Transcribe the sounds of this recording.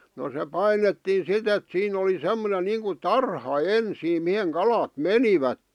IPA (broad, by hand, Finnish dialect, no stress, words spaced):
no se pɑinetːiːn̞ sit et siːn oli semˑonen niːŋku tɑrhɑ ensiːm miheŋ kɑlɑt meniʋætːe